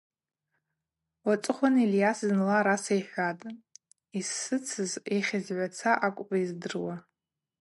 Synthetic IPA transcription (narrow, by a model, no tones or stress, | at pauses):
wat͡sʼɨχʷaniljasznlaɾasajħʲᶣatʼ | isːɨt͡sʰɨzeχʲɪzʕʷat͡sʰaʔakʷʼpʼaizdɨrwa